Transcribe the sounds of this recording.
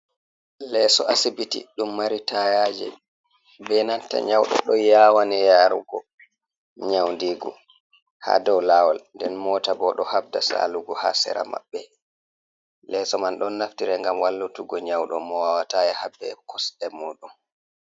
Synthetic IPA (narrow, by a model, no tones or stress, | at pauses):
lɛsɔʔasibitḭɗumːaɾitajaːd͡ʒɛ̰ | bɛnanta̰ɲawɗɔ̰ɗɔjawanɛjaɾuɡɔ | ɲawndiɡɔ̰ | ha̰dɔwlawalndɛnmɔːtabɔɗɔhab̚dasa̰luɡɔha̰sɛ̰ɾa̰ma̰bːɛ | lɛsɔmanɗɔnːaftiɾɛŋɡamwalːutuɡɔɲawɗɔmɔwawatajɛhabɛ̰kɔsɗɛmɔːɗun